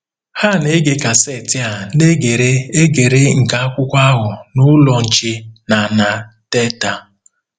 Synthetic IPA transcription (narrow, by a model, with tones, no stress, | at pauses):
ha˦˨ne˦ɡe˨ka˨se˨tɪ˦a˨ne˦ɡe˨ɾe˦e˦ɡe˨ɾe˦ŋ̩˨ka˨a˦kʷʊ˦kʷa˦ɦʊ˨nʊ˦lɔ˨n̩˨t͡ʃe˦na˨na˨te˦ta˨